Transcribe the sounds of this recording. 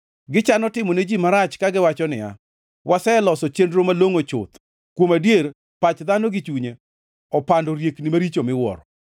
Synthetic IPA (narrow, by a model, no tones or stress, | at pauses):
ɡɪt͡ʃanɔtɪmɔned͡ʒimaɾat͡ʃkaɡɪwat͡ʃɔnɪ̰a̰ | wʔasɛlɔsɔt͡ʃendɾomaloŋot͡ʃʊ̰t̪ | kwomadjeɾ | pat͡ʃd̪anoɡɪt͡ʃuɲe | ɔpandoɾjeknɪmaɾit͡ʃomɪwɔ̰ɾɔ